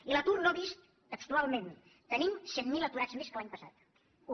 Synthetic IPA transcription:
ilət̪urnoβist̪ | əkst̪ualˠmẽn | t̪ənimsɛt̪milət̪uɾazmeskəlaɲpəsa̰t̪

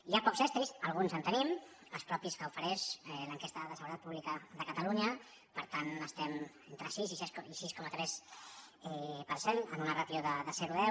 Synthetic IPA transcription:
iapɔkzβɛst̪ɾizəlˠɣ̞unzənt̪ənim | əlˠspɾɔpiskəufəɾɛʃɛləŋkɛst̪əðəsəɣuɾət̪at̪puβlikəd̪əkət̪əluɲə | pəɾt̪anəst̪ɛment̪ɾəsizisisiskɔmət̪ɾɛs | ɛpəɾsenənunərat̪joðəðəzɛɾuðɛ

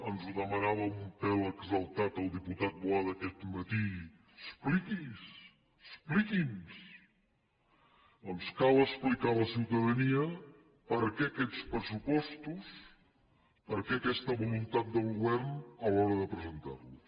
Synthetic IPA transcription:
ənzuðəmənaβəmumpɛləɡzəlˠt̪at̪əlˠd̪iput̪at̪̚bwaðəkɛt̪mət̪i | əsplikis | əsplikins | əmskaləsplikaləsiwt̪əðəniə | pəɾkɛəkɛt͡spɾəsupɔst̪us | pəɾkɛəkɛst̪əβulunt̪at̪̚d̪əlˠɣuβɛɾnəlɔɾəðəpɾəzənt̪a̰rlu

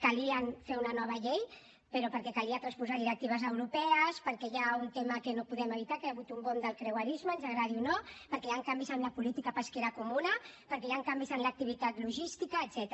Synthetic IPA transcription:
kaliənfeunanɔβ̞əʎej | pəɾopəɾkɛkaliat̪ɾanspuzaɾðiɾək̚t̪iβəzəwɾupɛəspəɾkɛjaunt̪eməkənopuðɛməβ̞it̪akaaβut̪umbond̪əlˠkɾewaɾizməːnʒənɾaɾiunopəɾkɛjaŋkambizəmlapulit̪ikapaskeɾakumunɐəpəɾkɛjaŋkambizənlək̚t̪iβ̞it̪at̪luʒist̪ikaːt̪z̥ɛt̪

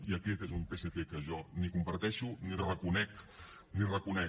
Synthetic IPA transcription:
iəkɛt̪ezumpeseθekəʒɔnikumpɐɾt̪ɛʃunirəkunɛk | nirəkunɛ

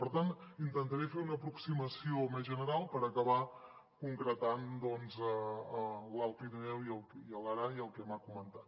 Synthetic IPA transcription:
pəɾt̪anint̪ənt̪əɾefeunəpɾuksiməsiomezʒənəɾalˠpəɾəkəβa | kuŋkɾət̪and̪ɔnzə | lalˠt̪inɛwiəlˠiələɾaiəlˠkɛmakumənt̪at̪

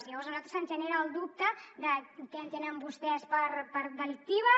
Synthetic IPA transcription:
sijəβɔɾzənalt̪ɾəsənʒəneɾəːlˠd̪up̚t̪əd̪əkɛənt̪enəmbust̪ɛspəɾpəɾd̪əlik̚t̪iβə

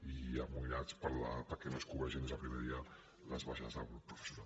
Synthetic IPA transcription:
iamuiɾat͡spəɾlapəɾkɛnoskuβɛʒind̪ezðəpɾimɛðiə | lə̰zβaʃazðəlˠɣɾupːɾufə̥sjuna̰

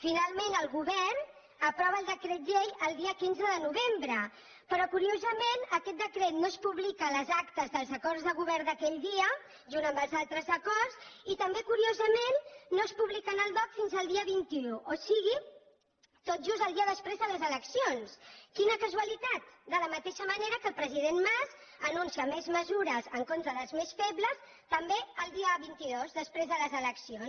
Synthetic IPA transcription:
finalˠmenəlˠɣuβɛrn | əpɾɔβəːlˠd̪əkɾɛt̪̚ʒeʎəlˠd̪iəkinzəðənuβembɾə | pəɾɔkuɾiozəmenəkɛt̪̚d̪əkɾɛt̪nospuβlikələzakt̪əzðəlˠzəkɔrzðəɣ̞uβɛɾd̪əkɛʎd̪iə | ʒunt̪əmbəlˠzalˠt̪ɾəzəkɔrzit̪əmbekuɾiozəmenːospuβlikənəlˠd̪ɔt̪finzəlˠd̪iəβint̪iuʔosiɣi | t̪ot̪̚ʒuzəlˠd̪iəðəspɾezðələzələksionskinəkəzuəlit̪at̪̚d̪ələmət̪eʃəməneɾəkəlˠpɾəziðenmaz | ənunsiəmezməzuɾəzəŋkont̪ɾəðəlˠzmesfɛβləs | t̪əmbeəlˠd̪iəβint̪iðozðəspɾezðələzələksion

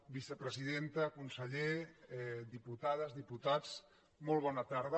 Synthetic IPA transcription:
bisəpɾəziðent̪əkunsəʎeɛd̪iput̪að̞əzðiput̪at͡s | mɔlˠβɔnət̪aɾð̞ə

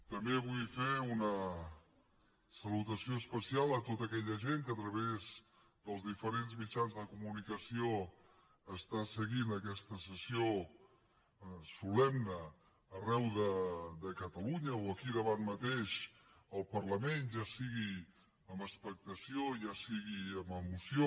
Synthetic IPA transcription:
t̪əmbeβ̞ujfeunə | səlut̪əsioəspəsialˠət̪ot̪əkɛʎəʒeŋkəːt̪ɾəβez | d̪əlˠzðifəɾenzmit͡ʃanzðəkumunikəsio | əst̪asəɣinəkɛst̪əsəsio | sulɛmnəː | rɛwðəd̪əkət̪əluɲəoəkiðəβanmət̪eʃ | əlˠpərləmenʒasiɣi | əmbəspək̚t̪əsioʒasiɣiəməmusio

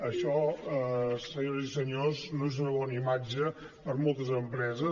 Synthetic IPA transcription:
əʃɔəssəɲoɾzisəɲoznoezunəβɔnimad͡ʒə | pəɾmolˠt̪əzəmpɾɛzə

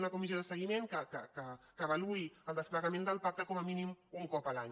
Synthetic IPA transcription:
nakumis̬joðəsəɣimẽŋkəkəkəkəβaluiəlˠd̪əsplaɣamẽnd̪əlpak̚t̪əkɔməminimuŋkɔpalaɲ

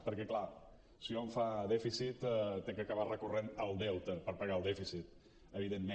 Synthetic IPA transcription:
pəɾkɛkla | sioɱfaðɛfisit̪t̪ekəkəβarəkurenəlˠd̪ɛwt̪əpəɾpəɣaəlˠd̪ɛfisit̪ | əβ̞iðemːe

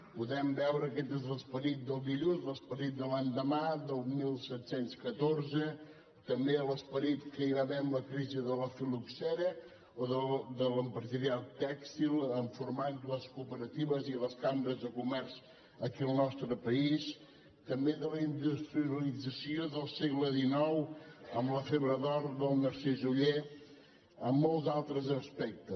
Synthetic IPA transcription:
puðɛmbɛwɾəkɛt̪ezləspəɾit̪̚d̪əlˠd̪iʎunzləspəɾit̪̚d̪əlaɲd̪əmad̪əlˠmilˠsɛt̪senskət̪orzə | t̪əmbeələspəɾit̪kəiβaβɛmləkɾiziðələfiluksɛɾə | oðəd̪ələmpɾəzəɾialˠt̪ɛkst̪ilˠəɱfuɾmanləskupəɾət̪iβəziləskambɾəzðəkumɛɾz̥ | əkiəlˠnɔst̪ɾəpəis | t̪əmbeðələind̪ust̪ɾiəəlid͡zəsioðəlˠsɛɣləðinɔwəmləfəβɾəðɔɾðəlˠnəɾsɛʒuʎe | əmːolˠzalˠt̪ɾəzəspɛk̚t̪ə

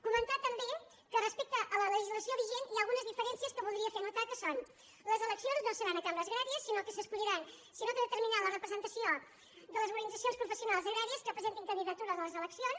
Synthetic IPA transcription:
kumənt̪at̪əmbe | kərəspek̚t̪əʔələləʒizləsioβiʒeniaəlˠɣunəzðifəɾɛnsiəskəβulˠd̪ɾiəfenut̪akəson | ləzələksionznosəɾanəkaməzɣɾaɾiəsːinokəsəskuʎiɾan | sinok̪əðət̪əɾminalərəpɾəzənt̪əsio | d̪ələzmuɾənid͡zzəsionspɾufəsiunalˠzəɣɾaɾiəskəpɾəzent̪iŋkənd̪iðət̪uɾəðələzələksion

